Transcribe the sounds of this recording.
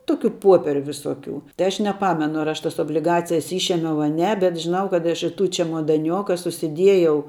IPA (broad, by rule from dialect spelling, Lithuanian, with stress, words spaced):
ˈtoːkʲʊ ˈpoːpʲiɛrʲʊ ʋʲɪˈsoːˌkʲuː tɐɪ ˈɐʃ nʲɛˈpɑːmʲɛnʊ ɐr ˈɐʃ ˈtɐs oːbʲlʲɪˈɡɑːt͡sʲɪjɛs ˈiːʃʲeːmʲɛʊ ɐ ˈnʲɛ bʲɛt ʒʲɪˈnɐʊ kɐt ˈɐʃ ɪ tuː t͡ʃʲɛmoːdɐˈnʲoːkɐ sʊsʲɪˈdʲiɛjɛʊ